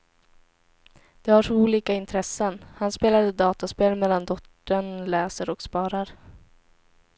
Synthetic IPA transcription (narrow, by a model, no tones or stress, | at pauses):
d̪̥ɛhaʂuːliːkaɪnt̪ʰɾɛsːənhanspeːlad̪əd̪ɑːt̪aspeːlmɛlːand̪ɔʈt̪ːəɳlɛːsəɾɔkspɑːɾaɾ